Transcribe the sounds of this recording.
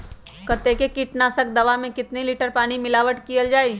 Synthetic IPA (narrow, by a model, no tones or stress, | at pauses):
kɐt̪ekekiːʈnaːsək̚d̪ɐʋamẽkɪt̪neliːʈəɾpaːñimɪlaːʋəʈkijəld͡ʒaːi